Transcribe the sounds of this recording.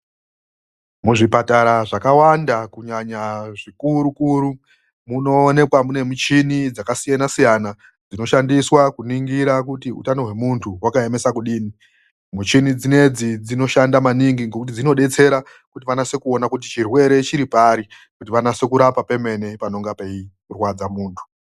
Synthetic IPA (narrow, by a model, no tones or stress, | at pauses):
muʐipataɾaʐakawandakuɲaɲaʐikuɾukuːɾu | munone̞kwamune̞mut͡ʃinid͡zakasijanasijana | d͡zino̞ʃandiswakuniŋɡiɾakutiṵtano̞ɦwe̞muntʰuwakaemesakuɗiːni | mut͡ʃinid͡zine̞d͡zid͡zino̞ʃandamaniŋɡiŋɡo̞kut̬id͡zino̞ɗe̞t͡se̞ɾa | kutiʋanase̞kuo̞nakut̬it͡ʃirwe̞ɾe̞t͡ʃiɾipaːɾi | kutiʋanase̞kuɾapape̞me̞ne̞pano̞ŋɡapeikurwad͡zamuːntʰu̥